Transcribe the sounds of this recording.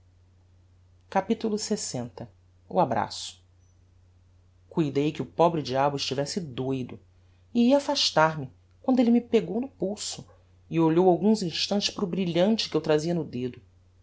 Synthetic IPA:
kapit̪ulˠʊsesẽnt̪ɐ | ṵabɾa̰sʊ̥ | kujd̪ejkɪʊpɔbɾɪd͡ʒiabʊɪʃt͡ʃivɛsɪd̪ojd̪ʊ | ɪiɐafaʃt̪aɾmɪ | kwɐ̃nd̪ʊelɪmɪpeɡownʊpuwsʊ | ɪoʎowawɡũzĩʃt̪ɐ̃nt͡ʃɪ̥spɾʊbɾiʎɐ̃nt͡ʃɪ̥kɪewt̪ɾaziɐnʊd̪ed̪ʊ

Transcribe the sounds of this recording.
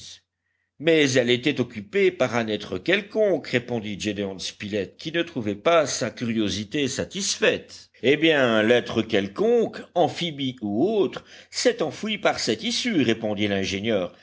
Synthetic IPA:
mɛzɛlet̪ɛt̪ɔkʲypepaʁɛ̃nɛt̪χəkʲɛlkɔ̃kʁepɔ̃d̪id͡ʒed̪eɔ̃nspilɛt̪̚kʲinət̪χuvɛpasakʲyʁjozit̪esat̪isfɛt̪ | ebjɛ̃lɛt̪χəkʲɛlkɔ̃kɑ̃fibiuot̪χsɛt̪ɑ̃fwipaʁsɛt̪isyʁepɔ̃d̪ilɛ̃ʒenjœːʁ

